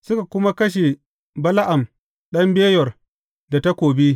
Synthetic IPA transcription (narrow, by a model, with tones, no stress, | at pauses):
sʊ˦ka˨kʷʊ˦ma˦kɐ˦ʃ̬e˨ | bɐ˦la˦ʔa˨m | ɗɐ˦mbeː˦jɔ˨r | da˨ta˦kʷoː˨bi˦